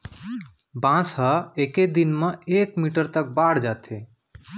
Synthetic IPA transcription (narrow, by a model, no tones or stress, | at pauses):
bãsɦəeked̪inmẽekmiʈəɾt̪ək̚baɽ̤d͡ʒat̪ʰe